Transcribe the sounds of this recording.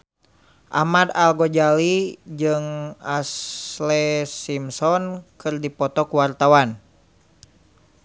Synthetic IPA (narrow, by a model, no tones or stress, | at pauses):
ʔa̰hmad̪alɡɔd͡ʒalid͡ʒɨŋaslɛsimsɔnkɨrdipɔt̪ɔkuwart̪awan